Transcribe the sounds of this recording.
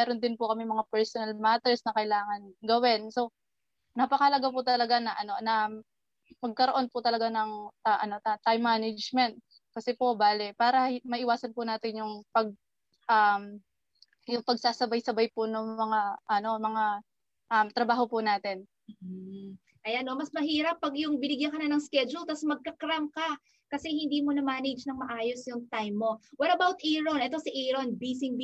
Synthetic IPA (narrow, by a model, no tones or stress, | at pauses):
mɛːɾond̪ɪnpʊkɐmɛmɐŋapɛɹsonɐlmaːt̪ɛɹsnɐkɐɪlaːŋɐnɡɐwɛnso̞ | nɐpɐkɐhɐlɐɡapʊt̪ɐlɐɡanɐʔɐno̞nɐ | pɐɡ̚kɐɾoʔo̞npʊt̪ɐlɐɡanɐŋaʔɐno̞t̪at̪ajmːaːnɐd͡ʒmɛnt̪̚ | kɐsɛpo̞baːlɛpaːɾɐmɐʔɪwaːsɐnpʊnaːt̪ɪnjʊŋpɐɡ̚ | ʔam | jʊŋpɐɡ̚saːsɐbajsɐbajponoŋmɐŋaʔɐno̞mɐŋa | ʔɐmt̪ɾɐbaːɦo̞pʊnaːt̪ɛn̩ːʔ̩ | ʔɐjanːomɐsmɐɦiːɾɐpːɐɡjʊŋbɪnɪɡjɐŋkɐnanɐŋskɛd͡ʒʊlt̪ɐsmɐɡ̚kɐkɾamka | kɐsɛhɪnd̪iːmo̞nɐmaːnɪd͡ʒnɐŋmɐʔaːjosjʊŋt̪ajmːo̞wɛɾɐbawt̪ʔiːɹonʔɛt̪o̞siʔiɾonbisɪŋb